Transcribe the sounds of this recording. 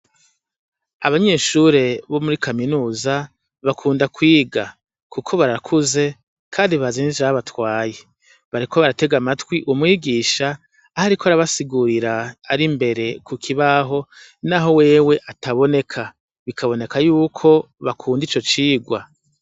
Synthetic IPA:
aβaɲe̞ːʃuɾe̞βo̞muɾikʰaminuːza | βakʰuːndakwiːɡa | kukʰo̞βaɾakʰuze̞ | kʰaːndiβaziːzaaβatwaːje | βaɾikʰoβaɾate̞ɡamatwiʔumŋiːɡiːʃaː | haɾikoaɾaβasiɡuɾiɾaːɾimbe̞ɾe̞kʰukʰiβaɦo̞ | naːɦo̞we̞ːwe̞ʔataβo̞ne̞kʰa | βikʰaβo̞ne̞kajuːkʰo̞ | βakʰuːndit͡ʃo̞t͡ʃiːɡwa

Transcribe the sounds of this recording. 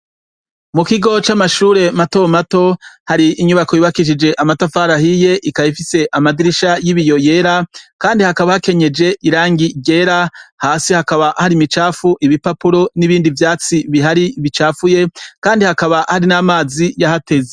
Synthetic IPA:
mukiɡo̞t͡ʃamaʃuːɾe̞matomato̞haɾiʔːɲuβakojiβakiʃ̬id͡ʒe̞ʔamatafaːɾahije̞ʔikaifise̞ʔamadiɾiʃajiβijo̞je̞ːɾakaːndihakaβahake̞ɲe̞d͡ʒe̞ʔiɾaːŋɡiɟe̞ːɾahaːsihakaβaʔhaɾimit͡ʃaːfuʔiβipapuɾo̞niβiːndivjaːt͡siβiɦaɾiβit͡ʃaːfuje̞kaːndihakaβahaɾinaːmaːzijahate̞ze

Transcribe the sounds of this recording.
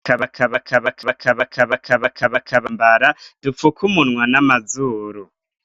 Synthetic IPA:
kaβakʰaβakʰaβakaβakʰaβakʰaβakʰaβakʰaβakʰaβambaɾadufukʰumunŋwanamazuɾu

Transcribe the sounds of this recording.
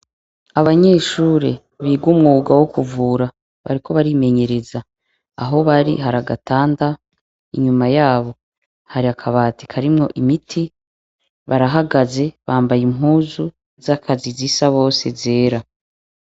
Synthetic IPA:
aβaɲe̞ːʃuːɾe | βiːɡwuːmŋuːɡawokuvuːɾa | βa̰ɾiko̞βaɾime̞ɲe̞ɾe̞za | aɦo̞βaɾḭɦaɾaɡataːnda | iɲumajaːβo̞ | haɾiakʰaβaːti̥kʰaɾimŋo̞̰ʔimitʰi | βaɾaɦaɡaze̞βaːmbajimɦuːzu | zakʰazizisaβo̞ːse̞ze̞ːɾa

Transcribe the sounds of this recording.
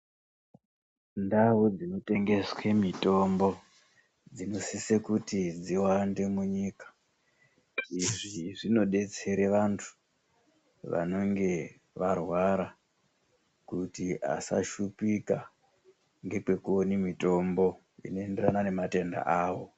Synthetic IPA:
ndaud͡zino̞te̞ŋɡe̞swe̞mito̞mbo̞ | d͡zino̞sisekutid͡ziwande̞muɲiːkḁ | iʐiʐino̞ɗe̞t͡se̞ɾeʋantʰu̥ | ʋa̰no̞ŋɡe̞ | ʋarwaɾa | kutia̰sa̰ʃupika | ŋɡe̞pe̞kuonimito̞mbo̞ | ḭno̞e̞nderanane̞mate̞nda̰ʔaːwo̞

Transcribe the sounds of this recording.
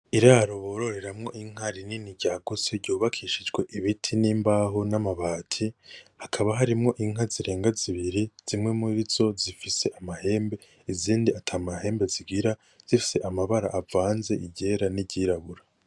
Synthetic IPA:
iɾaːɾo̞βo̞ːɾo̞ɾe̞ɾamŋo̞ʔiŋ̥haɾininiɟaːɡuseɾɟuːβakʰiʃid͡ʒɡwe̞ʔiβitʰiniːmbaːɦonamaβaːtʰihakʰaβaɦaɾimŋo̞ʔiŋ̥ɦaziɾe̞ːŋɡaziβiɾiz̥imŋe̞muɾizo̞zifise̞ʔamahe̞ːmbe̞ | iziːndiatʰaːmahe̞ːmbeziɡiɾa | z̥ifi̥se̞ʔamaβaɾa̰ʔːvaːnze̞ʔiɟe̞ɾaniɟiɾaβuɾa

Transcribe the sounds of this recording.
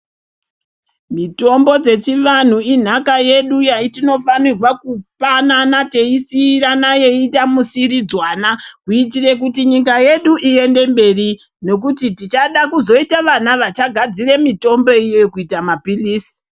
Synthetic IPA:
mito̞mbo̞d͡ze̞t͡ʃiʋan̤uin̤akaje̞ɗujaitino̞fanirwakupananate̞isiranaje̞itamusiɾid͡zwanakuit̬ire̞k̬utiɲikaje̞ɗuʔie̞nde̞mbe̞ri | no̞k̬utitit͡ʃaɗakuzo̞itaʋanaʋat͡ʃaɡʱad͡ziremito̞mbo̞ijekuitamapiliːsi̥

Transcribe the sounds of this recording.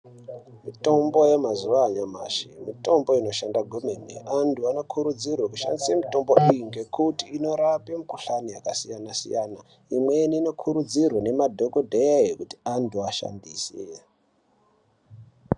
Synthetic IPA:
mito̞mbo̞jemazuʋaːɲama̰ʃimito̞mbo̞ino̞ʃandaɡʱomenḛantʰuano̞kʰuɾud͡zirwakuʃa̰ndisemito̞mboʔijiŋɡe̞kutiːno̞ɾapemukuɬanijakasijanasḭjana | imweniːno̞kʰuɾud͡zirwane̞madʱo̞kodʱejajekuti̥antʰuaʃa̰ndisḛ

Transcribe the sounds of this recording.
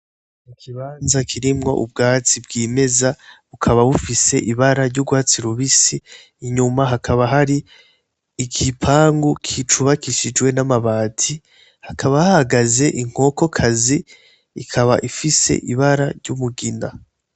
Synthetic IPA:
ikʰiβaːnzakʰiɾimŋo̞̰ʔṵb̚ɡaːt͡sibɡiːme̞zaβukʰaβaβufise̞ʔiβaɾaɾɟuɡwaːt͡siɾuβisiː | ɲumaɦakʰaβaɦaɾiː | kʰipʰaːŋɡukʰit͡ʃuβakiʃid͡ʒwe̞namaβaːtʰi | hakʰaβahahaɡaze̞ʔiŋ̥ho̞ko̞kʰaziː | kʰaβaʔifise̞̰ʔḭβaɾaɾɟumuɡina

